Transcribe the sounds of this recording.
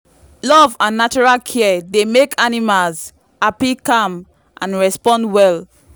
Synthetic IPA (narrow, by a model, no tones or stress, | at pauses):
lɔvãnːat͡ʃɔɹalkʰɛdemekʰanimalz | apikãm | ʔã̰nɹɛspɔ̃ndwɛl